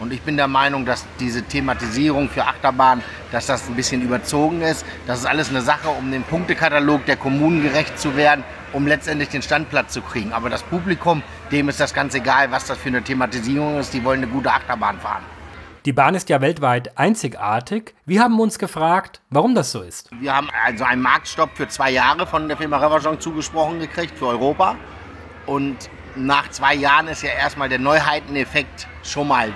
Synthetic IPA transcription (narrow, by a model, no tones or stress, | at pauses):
ʔʊntɪçb̥ɪndeːɐmaɪnʊŋdasd̥iːzətʰematiziːʁ̞ʊŋfyːɐʔaχtɐbaːn | d̥asd̥asnbɪsçənyːbɐt͡soːɡŋ̩ɪstd̥asɪstʔa̰ləsnəzaχəʊmdeːnpʰʊŋk̚təkʰataloːk̚d̥eːɐkʰɔmuːnənɡəʁɛçt̚t͡suveːɐdn̩ | ʔʊmlɛt͡stʔɛntlɪçd̥eːnʃtant̚pl̥at͡st͡sukʁ̥iːɡŋ̩ʔa̰ːbɐɾaspʰuːplikʰʊm | d̥eːmɪstd̥asɡ̥ant͡seɡaːlvasd̥asfyːɐnətʰematiziːʁʊŋɪstiːvɔlənːəɡuːtəʔaχtɐba̰ːnfa̰ːʁənd̥iːbaːnɪstjaːvɛltv̥aɪtʔaɪnt͡sɪçʔa̰ːɐtʰɪçviːɐhaːbm̩ʊnsɡ̥əfʁ̥aːktv̥aʁʊmdasz̥oːɪstviːɐhaːbm̩ʔa̰lzoa̰ɪnmaɐk̚tʃtɔpfyːɐt͡sv̥aɪjaːʁəfɔndeːɐfɪɐmaʁɛvazɔ̃ŋt͡suːɡəʃpʁ̥ɔχn̩ɡəkʁ̥ɪçtfyːɐɔʏʁoːpa | ʔʊnt | naːχt͡sv̥aɪjaːʁənɪstjaːʔeːɐstmaːldeːɐnɔʏɦaɪtn̩ɛfɛk̚t | ʃoːnmaːl